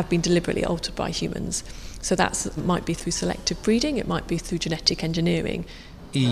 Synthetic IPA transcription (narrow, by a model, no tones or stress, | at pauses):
əvbĩndɪlɪbəɹə̰ʔlḭʔɔ̰lˠtʰəd̚ba̰ɪhjʉ̰ːmə̰̃nz̥soʊðə̰ʔmaɪʔb̥iθɹʉːsəlɛ̰k̚tʰɪvbɹiːɾɪ̃ŋɪ̰ʔmaɪʔb̥iθɹʉːd͡ʒɪnɛtɪkɛ̃nd͡ʒɪnɪəɹɪ̰̃ŋ